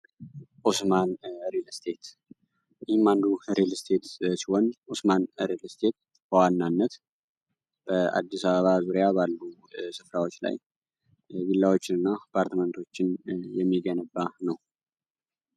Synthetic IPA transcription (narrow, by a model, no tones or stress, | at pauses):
ʔosmanɾelst̪ʰe̞t̪ | ɪhimːand̪uɾelst̪ʰe̞t̪sihonʔosmanɾelst̪ʰe̞t̪̚ | bəwanːanːət̪ | b̥əa̰d̪ːisaβəβazuɾijabalːu | sɨfɾawo̞t͡ʃːla̰j | wilːawot͡ʃːɪnɨnːapʰaɾt̪mənt̪ʰo̞t͡ʃːɪnjɛmːiɡənəbːanəw